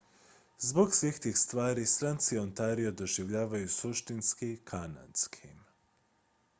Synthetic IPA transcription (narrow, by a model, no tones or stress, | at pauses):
zboɡsʋixt̪iːxst̪ʋaːɾisɾant̪siont̪aːɾiod̪o̞ʒiʋʎaːʋajusuʃt̪inskikʰana̰nskʰim